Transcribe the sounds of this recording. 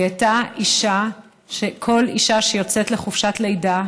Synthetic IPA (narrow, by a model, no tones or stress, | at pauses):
ataiʃa | ʃekʰo̞liʃaʃejot͡setle̞χufʃatlejda